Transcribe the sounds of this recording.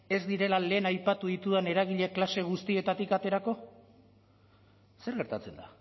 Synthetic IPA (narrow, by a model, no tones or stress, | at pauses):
e̞zd̪iɾe̞lale̞ːnajpat̪uðit̪uðene̞ɾaɣ̞iʎe̞klase̞ɣ̞ust̪ie̞t̪at̪ikat̪e̞ɾako̞ | se̞ɾɣe̞ɾt̪at͡se̞nd̪a